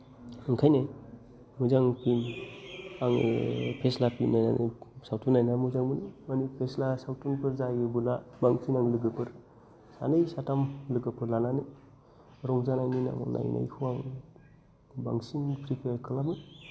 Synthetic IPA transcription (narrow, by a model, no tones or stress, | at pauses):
ɯŋkʰajne | muzaŋpʰin | aŋḛpʰeslapʰinːajna̰nʔḛsawtʰunajnamuzaŋbɯnimanipʰeslasawtʰunpʰɯɾzajɯbulabaŋsinaŋlɯɡɯpʰɯɾ | sanɯjsatamlɯɡɯpʰɯɾlanane | ɾɔŋzanajnina̰ŋ̰na̰jnʔa̰jkʰuwaŋ | ba̰ŋsinpʰɾipʰeɾkʰɯlamɯ